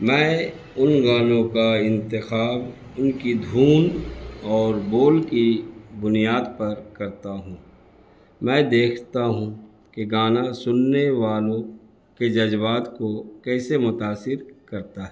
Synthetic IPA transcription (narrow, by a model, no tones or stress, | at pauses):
mɛ̃ː | ʊnɡaːlõkaɪ̃nt̪ɪxaːb | ʊnkid̪ʱuːnɔːɾboːlkibʊnijaːd̪pɐɾkɐɾt̪aɦũ | mɛ̃ːd̪eːkʰt̪aɦũ | keɡaːnasʊnːeʋaːlõ | ked͡ʒɐd͡ʒbaːt̪kokɛːsemʊt̪aːsɪɾkɐɾt̪aɦɛ